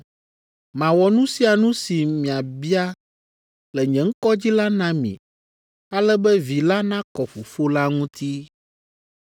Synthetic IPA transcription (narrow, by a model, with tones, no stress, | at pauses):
mã˨wɔ˨nũ˦si˦a˨nũ˦si˨mĩ˨a˨bi˦a˦ | lɛ˨ɲɛ̃˨ŋ̩˦kɔ˦d͡ʑi˦la˦nã˦mḭ̃˨ | a˦lɛ˦bɛ˦vi˨la˦nã˦kɔ˨ɸo˨fo˦la˦ŋũ˦t̪ʰi˦